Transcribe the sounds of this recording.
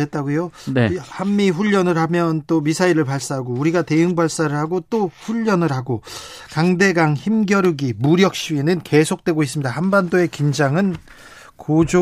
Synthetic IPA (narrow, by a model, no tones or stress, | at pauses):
et̚t͈aɡojonehamːiɸuʎːʌnɯɾhamjʌnt͈omisʰaiɾɯɭpaɭs͈aɦaɡouɾiɡate̞ɯŋbaɭs͈aɾɯɭhaɡot͈oɸuʎːʌnɯɾɦaɡo | kaŋde̞ɡaŋçimɡjʌɾuɡimuɾjʌk̚ɕ͈ienɯnke̞sʰok̚t͈we̞ɡois͈ɯmɲidahanbandoe̞kind͡ʑaŋɯn | kod͡ʑo